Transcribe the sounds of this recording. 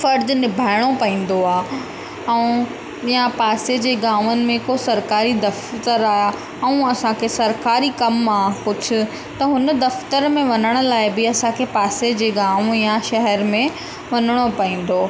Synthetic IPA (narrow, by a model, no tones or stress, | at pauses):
fɐɾd̪nɪbʱaːɪɽ̃opɐĩːn̆d̪oaː | ɛ̃ũ | japaːsed͡ʑeːɡaːʋənɪ̆mẽkosɐɾkaːɾid̪ɐft̪əɾaːja | ɛ̃ũɐsãkʰesɐɾkaːɾikɐmaːpʊd͡ʑʱʰʊ̆ | t̪ɐɦʊnd̪ɐft̪əɾmẽʋɐnəɽ̃ʊ̆laːɪbɪɐsãkʰepaːsed͡ʑeːɡaːʋjaʃɐɦɛɾmẽ | ʋɐnəɽ̃opɐĩːn̆d̪oː